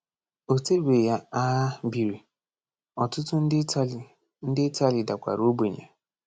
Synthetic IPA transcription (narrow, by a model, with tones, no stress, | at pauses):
o˨te˦ɡʷe˨ja˦a˦ɦa˦bi˨ɾi˨ | ɔ˨tʊ˦tʊ˦n̩˦˨ | n̩˦dɪ˦ta˦lɪ˨da˨kʷa̰˨ɾo˦be˨ɲḛ˨